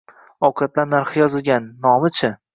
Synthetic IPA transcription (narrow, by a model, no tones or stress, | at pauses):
ɒwqʰɑt̪laɾnaɾχɪjɒzɪlˠɡʲanːɒmɪt͡ʃʰɪ